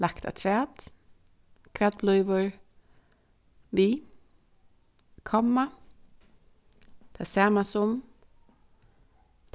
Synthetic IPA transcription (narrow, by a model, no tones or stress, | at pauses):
lakt̪a̰t̪ʰɾɛːd̪̥ | kʰʋɛːd̪̚blʊʏʋəɹ | ʋiː | kʰɔmːa | t̪ʰasæːmasʊm | t̪